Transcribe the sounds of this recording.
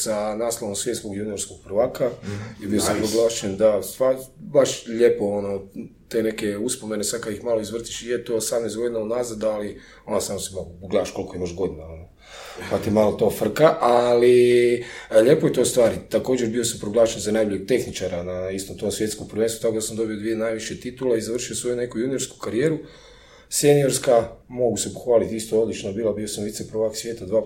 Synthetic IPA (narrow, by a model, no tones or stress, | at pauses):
sanaːslˠoʋomsʋje̞t̪skoɡjunijo̞ɾskoɡ̥̚pr̩ʋaːkaibiosampɾoɡlˠaːʃend̪ast̪ʋaɾbaʃʎepo̞onot̪ene̞ke̞uspomenesakaixmalˠoizʋr̩t̪i̥ʃijet̪oːsamneszɡo̞d̪inaud̪naːzad̪ali | onasaːmnosimalopɡlaːaʃko̞lˠikoimaʒɡo̞d̪inaono | pat̪imalot̪o̞ːfr̩kaʔali | ʎepo̞jet̪o̞st̪ʋaːɾit̪ako̞ːd͡ʒeɾbio̞sampɾoɡlaːʃenzanajboʎek̚t̪e̞xnit͡ʃaɾanaist̪o̞mt̪o̞ːmsʋje̞t̪skompr̩ʋenst̪ut̪akod̪asamd̪o̞biod̪ʋienajʋiʃjet̪it̪ulaizaʋr̩ʃiosʋo̞june̞kujunijo̞ɾsku̥kaɾijeːɾu | senio̞ɾskamo̞ɡusepo̥xʋaːlit̪ist̪oo̞d̪lit͡ʃnobiːlabiosamʋit̪sepɾoʋaksʋjeːt̪ad̪ʋaː